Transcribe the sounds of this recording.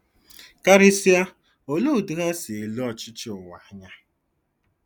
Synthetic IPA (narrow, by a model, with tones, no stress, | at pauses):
ka˦ɾi˦si˦a˦ | o˨lu˦˨du˨ɣa˦si˨i˨lu˦ɔ˨t͡ʃɪ˦t͡ʃɪ˦ʊ˨wa˨˦ɲa˦